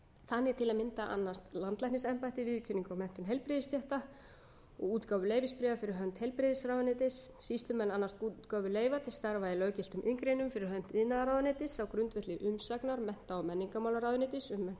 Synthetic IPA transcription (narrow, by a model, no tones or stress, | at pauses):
θanːɪt̪ʰɪlaðmɪnt̪aʔa̰nːast̪lant̪lajhnɪs̬ɛmpajt̪ɪvɪðcʰʏniŋkawmɛn̥t̪ʏnɦejlpɾɪðɪst̪ʰjɛht̪a | ɔ̰ɣuːt̪kawvʏlejvɪspɾɛvafɪɾɪɾɦœnt̪hejlpɾɪðɪsɾawðʏnet̪ɪsːist̪lʏmɛlanːast̪ut̪kawvʏleːjvat̪ʰɪ̥sθaɾvaɪlœːɥcɪlt̪ʏmʔɪŋkɾejnʏmfɪɾɪɾhɦœn̥t̪ɪðnaðaɾawðʏnet̪ɪsawkɾʏnt̪vɛht̪lɪʔʏmsaknaɾmɛn̥t̪awmɛnːiŋkamawlaɾawðʏnɪt̪ɪsʏmːɛn̥t̪